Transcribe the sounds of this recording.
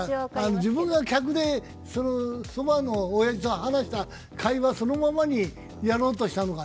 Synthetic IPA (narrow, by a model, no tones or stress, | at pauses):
anod͡ʑibɯ̟̃ŋɡakʲak̬ɯ̟d̪e̞ | sonosobano̞ːjaʑit̪oɦanaɕi̥t̪a | kʰaiβaso̞no̞mamaɲ̟i | jaɾo̞ːt̪̬o̞ɕi̥t̪ano̞ka